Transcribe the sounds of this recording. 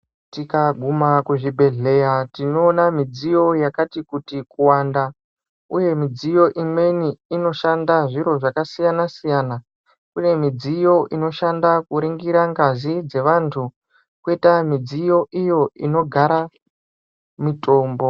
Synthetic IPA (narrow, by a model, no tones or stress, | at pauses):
tikaɡʱumakuʐibʱe̞ɮe̞jatinoːnamid͡zijo̞jakatikutikuwanda | uje̞mid͡zijo̞ʔimwe̞niːno̞ʃandaʐiɾo̞ʐakasijanasijana | kune̞mid͡zijo̞ʔino̞ʃandakuɾiŋɡiɾaŋɡazid͡ze̞ʋantʰu | kwetamid͡zijo̞ʔijo̞ino̞ɡʱaɾa | mitʰo̞ːmbo̞